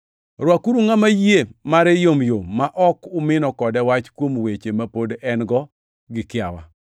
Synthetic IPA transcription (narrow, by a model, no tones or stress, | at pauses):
rwakuɾuŋamajemaɾɛjomjomaʔɔkʊmɪnɔkɔdɛwat͡ʃkwomwet͡ʃemapodɛnɡɔ | ɡɪkɪawa̰